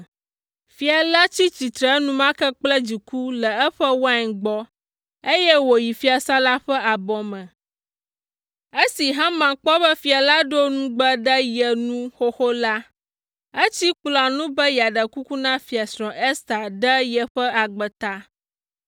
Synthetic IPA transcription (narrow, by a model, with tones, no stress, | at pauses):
fi˨a˨la˦t͡ɕi˦t͡ɕi˨t̪ɾə˨˦nũ˦mã˦kə˦k͡plə˦d͡ʑi˨ku˦lə˨ɛ˦ɸə˦wa˦ɲ˨ɡ͡bɔ˦ | e˦jɛ˦wo˨ji˨fi˦a˨sa˦la˦ɸə˦ʔa˨bɔ˨mə̃˨ | e˦si˨ɦã˦mã˨k͡pɔ˦bə˦fi˨a˨la˦ɖo˦nũ˦ɡ͡bə˦ɖə˦jə˨nũ˦xo˦xo˦la˦ | ə˦t͡ɕi˦k͡plɔ˨a˨nũ˦bə˦ja˨ɖə˨ku˦ku˦nã˦fi˨a˨sɾɔ̃˨ʔe˦st̪a˨ɖə˦jə˨ɸə˦a˨ɡ͡bə˨t̪a˦